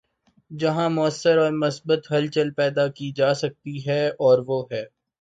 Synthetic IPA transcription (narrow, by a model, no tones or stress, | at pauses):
d͡ʒɐɦãmʊəsːəɾɔːɾmɐsbət̪ɦɐlt͡ʃəlpɛːd̪akid͡ʒaːsɐk̚t̪iɦɛɔːɾʋoːɦɛː